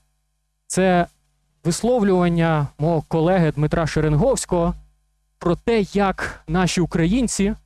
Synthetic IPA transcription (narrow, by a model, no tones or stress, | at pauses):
t̪sɛ | ʋɪslˠɔwlʲʊʋɐnʲːɐmɔɦɔkɔlˠɛɦɪd̪mɪt̪ɾʔɑʃeɾenɦɔwsʲkɔɦɔ | pɾɔt̪ɛjɐknɑʃʲiʊkɾɐjinʲt͡sʲi